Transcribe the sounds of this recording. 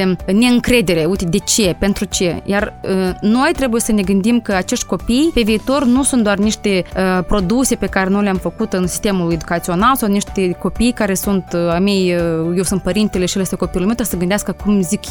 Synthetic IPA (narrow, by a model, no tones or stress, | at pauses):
ne̞ɨŋkɾe̞d̪e̞ɾe̞ujt̪ed̪e̞t͡ʃe̞pe̞nt̪ɾut͡ʃe̞jarəno̞jt̪ɾe̞buje̞səne̞ɡɨnd̪imkəat͡ʃe̞ʃt̪ʲko̞pijpe̞viːt̪o̞rnusunt̪d̪oarniʃt̪e̞əpɾo̞d̪use̞pe̞kaɾe̞no̞jleamfəkut̪ɨnsist̪e̞mulue̞d̪ukat̪sio̞nalsawniʃt̪eko̞pijkaɾe̞sunt̪amejjewsɨnt̪̚pəɾint̪eleʃielest̪eko̞pijulimet̪ɾesəɡɨnd̪easkəkumzik